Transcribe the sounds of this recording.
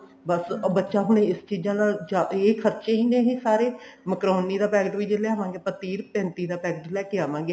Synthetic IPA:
bəsbətːʃaːɦʊɽ̃ẽːɪst͡ʃiːd͡ʒãːnaːld͡ʒaːeːkʰəɾt͡ʃeĩːd̪eːɦĩːsaːɾeːməkɾoːniːd̪aːpɛːɡəʈʋiːd͡ʒɪlɛːaːʋãːŋɡeːpət̪iːɾpɛ̃ːnt̪iːd̪aːpɛːɡʈlɛːkeaːʋãːŋɡeː

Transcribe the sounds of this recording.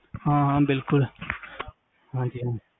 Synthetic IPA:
hãɦãbɪlkʊl | hãd͡ʒi

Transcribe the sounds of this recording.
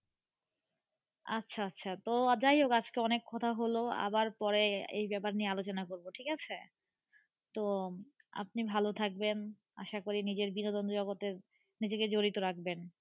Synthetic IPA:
a̰tːɕʰaatːɕʰat̪od͡ʑajokad͡ʑkeɔnekʰːɔt̪ʰaɦoloa̰baɾpɔɾeḛjbɛpaɾniealot͡ɕonakoɾboʈʰikat͡ɕʰe | t̪o | a̰p̚nibʱalot̪ʰak̚ben | a̰ʃakoɾinid͡ʑeɾbinod̪ɔnd̪d͡ʑɔɡot̪eɾ | nid͡ʑeked͡ʑoɾit̪oɾak̚ben

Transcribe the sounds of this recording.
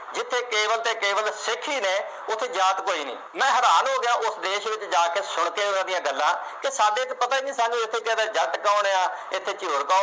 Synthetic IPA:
d͡ʒɪt̪ʰːeːkeːʋəlt̪eːkeːʋəlsɪkʰːiːneː | ʊt̪ʰːeːzaːt̪koːiːnḭːmɛ̃ːɦəɾaːnɦoːɡɪjãːʔʊsd̪eːʃʋɪt͡ʃd͡ʒaːkeːsʊɳ̃keːɦoːnãːd̪ɪjãːɡəlːãː | kɪsaːɖeːt̪pət̪aːid͡ʒĩːsãːd͡ʒũːɪt̪ʰːeːkad̪eːd͡ʒəʈkaːʊɳeːãːɪt̪ʰːeːt͡ʃoːɾkaː

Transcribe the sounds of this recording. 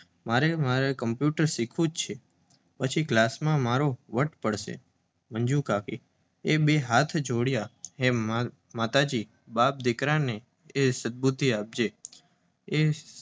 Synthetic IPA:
maɾemaɾekəmpjuʈəɾsikʰũd͡ʒt͡ʃʰe | pət͡ʃʰiɡlasmãmaɾoʋəʈpəɽʃḛ | mənd͡ʒũkaki | ebeɦat̪ʰd͡ʒʱoɽjaɦe | mat̪ad͡ʒi | bap̚d̪ɪkɾane | esəd̪̚bud̪ʱːiap̚d͡ʒe | e

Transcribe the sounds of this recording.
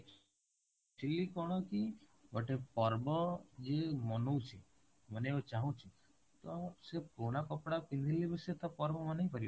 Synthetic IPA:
ʈʰilikɔɽ̃ɔkiɔʈepɔɾbɔd͡ʒemɔnowt͡ʃʰi | mɔneot͡ʃaɦũt͡ʃʰi | t̪ɔsepoɽ̃akɔpɽakind̪ʱilibeset̪apɔɾbɔmɔneipɔɾi

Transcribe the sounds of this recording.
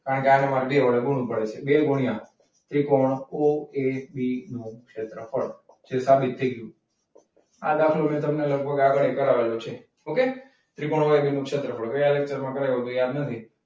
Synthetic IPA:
kaɾəɳkeanemaɾiɖeʋəɭeɡuɽ̃ũpəɽet͡ʃʰebeɡʱuɽijã | t̪ɾikoɳoebinũkʃet̪ɾəfəɽ | t͡ʃʰesabit̪ʰːəjɡjũ | a̰d̪akʰlomẽt̪əmneləɡ̚bʱəɡaɡəɭekəɾaʋelot͡ʃʰe | oke | t̪ɾikoɳ̃oebinũkʂet̪ɾəfʰəɽkəjalek̚t͡ʃəɾmãkəɾaɡot̪ojad̪nət̪ʰi

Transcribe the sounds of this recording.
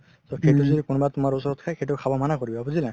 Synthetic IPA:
sɔkʰetuzɔdikunbatumaɹusɔɹɔtkʰakʰet̬ukʰabɔmanakoɹibɔabuzila

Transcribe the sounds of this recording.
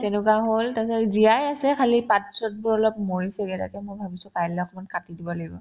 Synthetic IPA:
tɛnukaɦoltasaziajasɛkʰalipat̚sɔt̚bʊɹɔlɔpmoɹisɛɡɛta̰kɛmojbʱabisʊpajlɛɔkʰɔmankatidibɔlaɡibɔ̰

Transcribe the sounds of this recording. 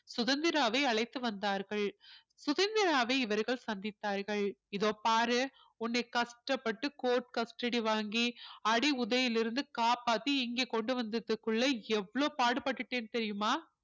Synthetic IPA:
sʊðɐnd̪ɪɾaːʋɐɪɐɭɐɪt̪ːɯʋɐnd̪aːɾɣɐɭ | sʊðɐnd̪ɪɾaːʋɐɪɪʋɐɾɣɐɭsɐnd̪ɪt̪ːaːɾɣɐɭɪðoːpaːɾɯ | ʊnːɐɪkɐsʈɐpːɐʈːɯkoːɾʈkɐsʈɐɽiʋaːŋɡiɐɽiʊðɐjɪlɪɾɯnd̪ɯkaːpaːt̪ːɯɪŋɡeːkɔɳɖɯʋɐnd̪ɐðɯkːɯɭːɐɛʋːɐɭoːpaːɽɯpɐʈːɯʈːeːnːt̪ɛɾɪjɯmaː

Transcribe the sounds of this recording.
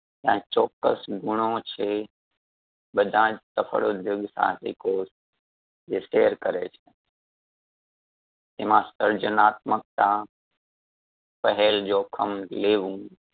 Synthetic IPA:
jãːt͡ʃɔːkːəsɡʊɽ̃õt͡ʃʰe | ɓəd̪ʱãːd͡ʒt̪əfʰə̰ɽod̪ʱjʊɡsã̰tɪ̰koːs | d͡ʒeːseːəɾkəɾet͡ʃʰe | t̪eːmãsəɾd͡ʒənaːt̪̚mək̚t̪ã | pəɦɛld͡ʒoːkʰəmleːʋũː

